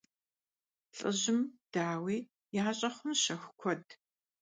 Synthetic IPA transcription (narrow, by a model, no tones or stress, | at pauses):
ɬʼɨ̰ʑɪmd̥aːwiː | jaːɕʼɐχʷʊmʃɐxʷkʷʰɔd̚